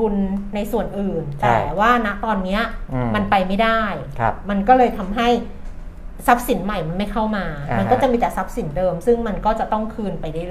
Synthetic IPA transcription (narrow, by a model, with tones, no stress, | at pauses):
u˧nːa˧jsu˨˩ənʔɯː˨˩nt̪ɛ̰ː˧˨˩waː˥˩na˦˥ʔt̪ɔː˧nːi˦˥ɐma˧npa˧jma˥˩jda˥˩j̰ | ma˧nkɔː˥˩lɤː˧jt̪ʰa˧mɦa˥˩j | sa˦˥p̚si˩˦nma˨˩jma˧nma˥˩jkʰa˥˩wmaː˧a˧nɔː˥˩t͡ɕa˨˩ʔmiː˧t̪ɛː˨˩sa˦˥p̚si˨˩˦ndɤː˧msɯ˥˩ŋma˧nkɔː˥˩t͡ɕa˨˩t̪ɔ˥˩ŋkʰɯː˧npa˧jda˥˩jl